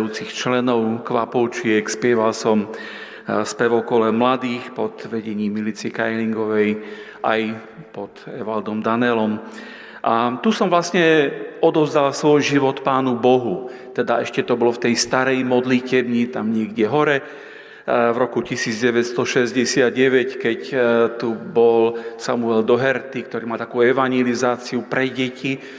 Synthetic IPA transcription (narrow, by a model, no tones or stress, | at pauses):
juːt͡sixt͡ʃlɛnɔʊkʋapɔt͡ʃɪɛkspɪɛʋalsɔm | spɛʋɔkɔlɛmlad̪iːxpɔd̪ʋɛɟɛɲiːmːilit͡siɛkajliŋɡɔʋɛj | ʔa̰j | pɔd̪ɛʋald̪ɔmd̪anɛlɔm | ʔat̪usɔmvlasɲɛɔd̪ɔvzd̪alsʋɔjʒiʋɔt̪paːnubɔɦut̪ɛd̪aɛʃcɛt̪ɔbɔlɔft̪ɛjst̪aɾɛjmɔd̪licɛbɲit̪amɲɪɛɡɟɛɦɔɾɛ | vɾɔkucisiːd͡zɟɛʋɛt̪st̪ɔʃɛzɟɛsɪad̪ɟɛʋɛckɛct̪ubɔlsamuɛld̪ɔɦɛɾt̪ik̚t̪ɔɾiːmalt̪ḁkuːɛʋaɲɛlizaːt͡siupɾɛɟɛci